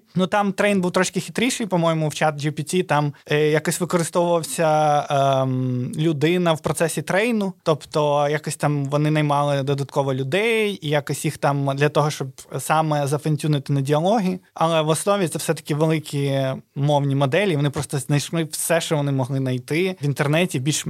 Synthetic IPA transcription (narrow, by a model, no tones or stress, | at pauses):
nut̪ɑmt̪ɾɛjnbuwt̪ɾɔʃkʲɪxʲɪ̥t̪ɾʲiʃɪjpɔmɔjɪmʊwt͡ʃɑt̪d͡ʒipʲit̪ʲit̪ɑmjakɔsʲʋɪkɔɾɪst̪ɔʋʊʋɐwsʲɐ | lʲʊd̪ɪnɐwpɾɔt̪sɛsʲit̪ɾɛjnʊt̪ɔpt̪ɔjakɔsʲt̪ɑmʋɔnɪnɐjmɑlˠɪd̪ɔd̪ɐt̪kɔʋɔlʲʊd̪ɛjjijakɔsʲjixt̪ɑmd̪lʲɐt̪ɔɦɔʃt͡ʃɔbsɑmɛzɐfɐnʲsʲunɪt̪ɪnɐdʲiɐlˠɔɦʲiɐlˠɛʋɔsnɔʋʲit̪sɛfsɛt̪ɐ̥kʲɪʋelˠɪkʲʰiʊmɔwnʲimɔd̪ɛlʲiʋɔnɪpɾɔst̪ɔznɐjʃlˠɪʋsɛʃt͡ʃɔʋɔnɪmɔɦlˠɪnɐjt̪ɪʋʲint̪ernɛtʲibʲilʲʃ